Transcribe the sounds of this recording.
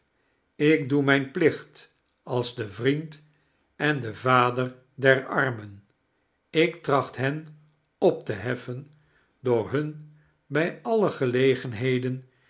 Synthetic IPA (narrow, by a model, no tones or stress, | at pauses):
ɪk̚dumɛjnplɪχt | ɑlˠzdəvrint | ɛndəvaːdər | dɛɹɑɹmən | ɪktrɑχtɦɛn | ɔp̚təɦɛfən | dʊːɹɦɵn | bɛjɑləχəlejχənɦejdən